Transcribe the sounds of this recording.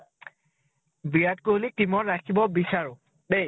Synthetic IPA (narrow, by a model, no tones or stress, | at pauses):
bijatkolitimɔɹːakʰibɔbisaɹʊ | bej